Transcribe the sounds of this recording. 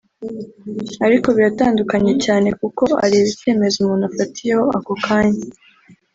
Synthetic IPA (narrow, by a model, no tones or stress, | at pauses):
aɾiko̞βiɾataːndukaɲe̞caːne̞kuko̞a̰ɾiβice̞ːme̞zumuːnafatijeho̞ako̞kʰaːɲe